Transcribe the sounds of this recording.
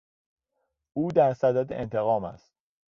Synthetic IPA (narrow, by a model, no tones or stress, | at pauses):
uːd̪æɾsæd̪æd̪eʔent̪ʰe̞ɣɒːmæ̰st̪̚